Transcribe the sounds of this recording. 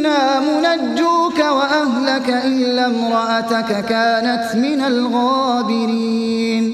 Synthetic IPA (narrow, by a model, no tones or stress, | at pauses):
naːmʊnad͡ʒːuːkawaʔaɦlakaʔɪlːamɾˤɑʔat̪akakaːnat̪mɪnalɣaːbɪɾiː | n